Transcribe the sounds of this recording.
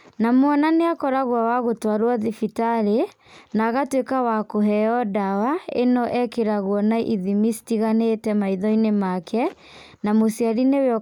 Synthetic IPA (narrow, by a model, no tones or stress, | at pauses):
namwɔnaneakɔɾaɣwawaɣotwaɾwaðifitaɾe | naɣatwekawakoɦɛɔdawaḛnɔʔɛkeɾaɣwɔnaʔiðimistiɣanetɛmaiðɔinemakʰɛ | namosiaɾineweɔ